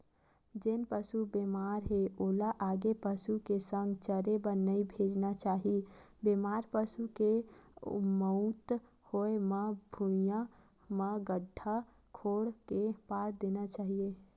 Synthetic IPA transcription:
d͡ʒenpəsubemaɾɦeolaʔaɡepəsukesə̃ŋɡt͡ʃəɾebənːəibʱed͡ʒnat͡ʃaːɦibemaɾpəsuke | məʊt̪ | hoeməbʱumija | məɡəɖʱa | kʰoɽkepaɽd̪enat͡ʃaːɦije

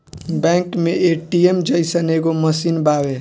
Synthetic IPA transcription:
bɛ̃ːŋkmẽʔeːʈiemd͡ʒəɪsəneːɡomɐsinbaːwe

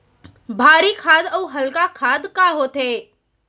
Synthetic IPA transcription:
bʱaːɾikʰaːd̪əwɦəlkakʰaːd̪kaɦoːt̪e

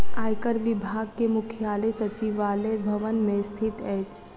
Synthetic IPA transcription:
aːjkəɾʋɪbʱaːɡkemʊkʰjaːlesɐt͡ʃiʋaːlebʱɐʋənmẽst̪ʰɪt̪ɛːt͡ʃ

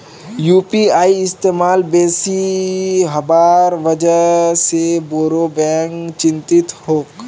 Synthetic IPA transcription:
juːpiaːiɪst̪eːmaːlbeːsi | ɦɐbaːɾʋəd͡ʒəseboːɾobɛ̃ːŋkt͡ʃɪ̃nt̪ɪt̪hoːk

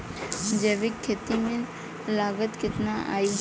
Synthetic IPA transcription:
d͡ʒəʋɪkʰːeːt̪imẽ | laːɡət̪kɪt̪naʔa̰ːi

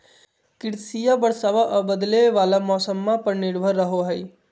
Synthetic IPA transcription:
kɪɽsijabəɽsaʋaʔbəd̪leʋaːlamɔːsəmːãpəɾnɪɾbʱəɾːəɦoɦəj

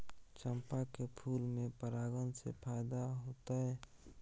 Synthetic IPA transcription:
t͡ʃəmpakepʰuːlmẽpəɾaːɡənsḛpʰaːɪd̪aɦoːt̪aɦɛ

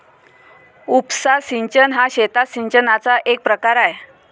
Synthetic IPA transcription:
upsasiɲt͡ɕənɦaɕet̪asiɲt͡ɕənat͡saʔek̚pɾəkaɾaje

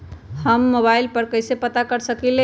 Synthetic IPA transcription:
həmːobailpəɾkəɪsepət̪akəɾsəkile

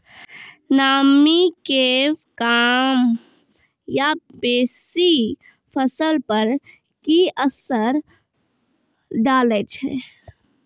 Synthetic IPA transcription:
naːmikekaːm | jabeːsi | pʰəsəlpəɾkiəsəɾ | d̪aːlet͡ʃʰɛ̰ː

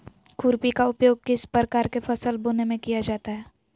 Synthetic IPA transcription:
kʊɾpikaʊpjoːɡ̚kɪspɾəkaːɾkefɐsəlboːnemẽkijad͡ʒaːt̪aɦɛː

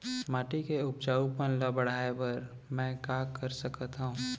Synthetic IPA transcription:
maːʈikeʊp̚t͡ʃaːupənləbəɽ̤aːepɐɾ | mɛ̃ːkaːkːəɾsəkət̪ɦũ

